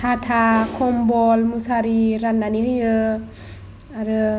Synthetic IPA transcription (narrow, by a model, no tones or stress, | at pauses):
satʰakʰɔmbɔlmusaɾiɾanːanijə | aɾə